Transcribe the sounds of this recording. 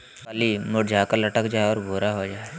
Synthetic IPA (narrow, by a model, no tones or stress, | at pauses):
kalimoɖd͡ʒʱakaləʈəkd͡ʒaɦeɔɾbʱoːɾaɦod͡ʒaːe